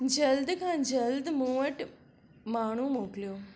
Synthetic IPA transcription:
d͡ʑəld̪kʰãːd͡ʒəld̪muʋəʈ | maːɳ̤̃ũːmoːkljoː

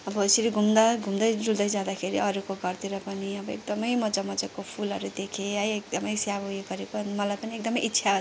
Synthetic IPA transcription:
ʌbʌɦosiɾiɡʱumd̪aɡʱumd̪ʌjd͡zuld̪ʌjd͡zãd̪akʰeɾiʔʌɾukoɡʌrt̪iɾʌpʌniʌbʌḛk̚d̪ʌmʌjmʌd͡zamʌd͡zʌkopʰulʌɾud̪ekʰeajek̚d̪ʌmʌjsjabɦujeɡʌɾekomʌlajpʌniek̚d̪ʌmʌjitːsʰa

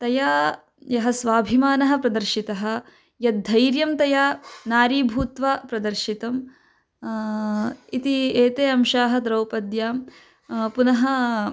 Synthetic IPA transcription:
t̪ɐjaː | jɐɦɐsʋaːbʱimaːnɐɦɐ̆pɾɐd̪ɐɾʃit̪ɐɦɐ̆ | jɐd̪ʱːɐjɾjɐmt̪ɐjaːnaːɾiːbʱuːt̪ʋaːpɾɐd̪ɐɾʃit̪ɐm | it̪ieːt̪eːɐmʃaːɦɐ̆d̪ɾɐwpɐd̪jaːm | punɐɦɐ

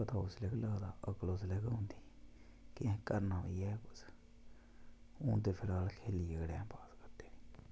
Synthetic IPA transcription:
pət̪aːʊslɪkləːd̪aːʔəkloslɛkõnd̪iːkɪɛ̃kəɾnaːʋiːɛːkʊs | õːt̪eːpʰɪlaːlkʰeːliːəɡɽɛ̃ːpaːskəd̪eːniː

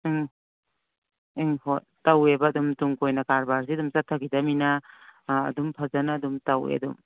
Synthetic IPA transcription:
ŋ | iŋhot̚tɐwebɐːdumtuŋkojnɐkaɾbaɾsiɐdumsatʰːaɡidɐmina̰ː | dumpʰazɐnaːdumtɐwḛɐ̰dṵm

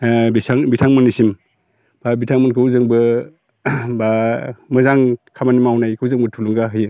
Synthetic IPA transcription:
bisaŋbitʰaŋmɯnisim | b̥abitʰaŋmɯnkʰɯwzɯŋbɯ | bamɯzaŋkʰamanimawnajkʰɯwzɯŋbɯtʰuluŋɡaɦɯjɯ

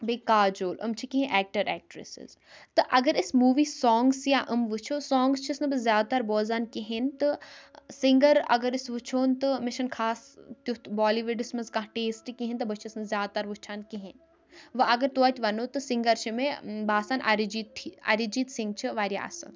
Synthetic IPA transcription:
bekaːd͡ʒoːlʔɐ̰mt͡ʃʰikĩɦẽʔɛːk̚ʈɐɾɛːk̚ʈɾḛsḭz | t̪ɨʔɐɡɐɾismuːʋiːsɔːŋɡsjaʔəmʋɨt͡ʃʰoːsɔːŋɡst͡ʃʰisnɨbɨzjaːd̪̚t̪aɾboːzankiɦint̪ɨsiŋɡɐɾɐ̰ɡɐɾisʋut͡ʃʰoːnt̪ɨmeʃɐnkʰaːst̪ut̪baːliʋuɖismɐzkãɦʈeːsʈkiɦĩnʲt̪ɨbɐt͡ʃʰisnɨzʲjaːd̪̚t̪aɾʋut͡ʃʰaːnkiɦin | ʋɐɐɡɐɾt̪uɐt̪ʲʋɐnoːt̪ɨsiŋɡɐɾt͡ʃʰimebaːsaːnʔɐ̰ɾid͡ʒiːt̪ʰiɐ̰ɾid͡ʒiːt̪sĩŋɡ̚t͡ʃʰiʋaːɾʲja̰ɐ̰sɨ̰n

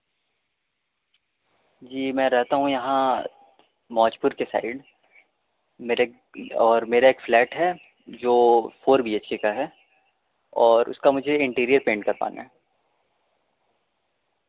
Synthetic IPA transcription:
d͡ʒiːmɛ̃ːɾɛɦt̪aɦũjɐɦã | mɔːt͡ʃpʊɾkesa̰ːɪɖ | meːɾe | ɔːɾmeːɾaeːkflɛːʈɦɛ | d͡ʒoːfoːɾbiːeːt͡ʃkekaɦɛ | ɔːɾʊ̰skamʊd͡ʒʱeɪ̃ɳʈiːɾijəɾpẽːɳʈ̚kɐɾpa̰ːna̰ɦɛ

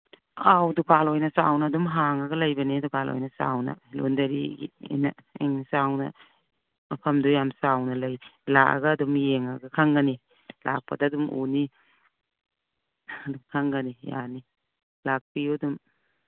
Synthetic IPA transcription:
awdupʰalojnɐsa̰wnɐːdumɦaŋɐɡɐlɐjbɐnidupʰalo̰jnɐsa̰wnɐ̰lo̰ndɐɾiɡḭḛnɐeŋnsawnɐ̰ | ɐpʰɐmdujamsawnɐlɐjlaka̰ɡɐːdumeŋaɡɐkʰaŋɡɐni | lak̚pɐdadumṵni | ɐdumkʰaŋɡɐnija̰ni | lak̚piudum

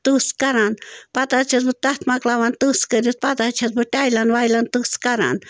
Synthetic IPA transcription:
t̪ɨskaɾanpat̪at͡ʃʰasbɨt̪aht̪maklawant̪ɨskəɾʲut̪̚pat̪at͡ʃʰasbɨt̪ʲajlanwajlant̪ɨskaɾa̰n

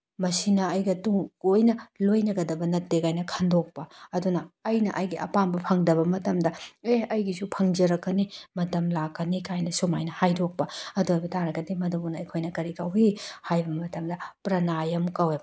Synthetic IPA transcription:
mɐsinɐɐjɡɐtuŋojnɐlojnɐɡɐdɐbɐnɐtːekajnɐkʰɐndok̚pɐɐdunɐɐjnɐʔɐjɡiɐ̰pambɐpʰɐŋdɐβɐmɐtɐmdɐeɐjɡisupʰɐŋd͡ʒɐɾɐkːɐnimɐtɐmlakːɐnikajnɐsumajnɐhajdok̚pɐɐduɐjbɐtʰaɾɐɡɐdimɐdubunɐɐjkʰojnɐkɐɾikɐwihajbɐmɐtɐmdɐpɾɐnajɐmkɐweb

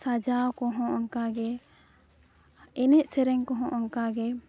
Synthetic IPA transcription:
sad͡ʒawkɔɦɔ̃ʔɔŋkaɡɛ | ɛnɛʔsɛɾɛŋkɔɦɔ̃ʔɔŋkaɡɛ

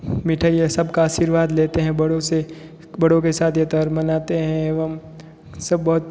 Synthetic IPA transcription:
miʈʰaijesɐbkaaːʃiːɾʋaːd̪leːt̪eɦɛ̃bɐɽõse | bɐɽõkesaːt̪ʰjɐt̪aɾmɐnaːt̪eɦɛ̃eʋəm | sɐbːɐɦʊt̪

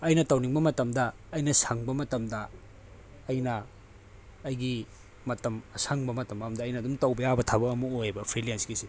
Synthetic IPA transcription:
ɐjnɐtɐwniŋbɐmɐtɐmdɐː | jnɐsɐŋbɐmɐtɐmdɐː | jnɐː | jɡi | mɐtɐmɐsaŋbɐmɐtɐmɐmdɐːjnɐdumtɐwbɐjabɐtʰabɐːmuojbɐpʰɾiliensɡisi

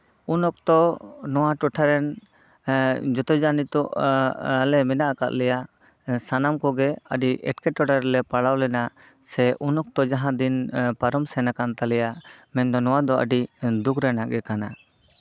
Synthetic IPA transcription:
unɔk̚t̪ɔnɔwaʈɔʈʰaɾɛn | d͡ʒɔt̪ɔd͡ʒanit̪ɔʔalɛmɛnaʔakaʔ̪lɛjaʔ | sanamkɔɡɛəɖiʔɛ̰ʈkɛʈɔʈʰaɾɛlɛpaɽawlɛna | sɛʔunɔk̚t̪ɔd͡ʒaɦãd̪inpaɾɔmsɛnakant̪alɛjaʔmɛnd̪ɔnɔwad̪ɔʔə̰ɖid̪ukʰɾɛnaʔɡɛkana

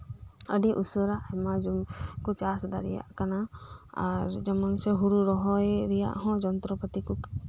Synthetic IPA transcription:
əɖiʔusəɾaʔhɛmad͡ʒumkɔt͡ʃasd̪a̰ɾḭja̰ʔkana | a̰ɾd͡ʒɛmɔnsɛɦuɽuɾɔɦɔjɾija̰ʔɦɔ̃d͡ʒɔnt̪ɾɔpət̪iku

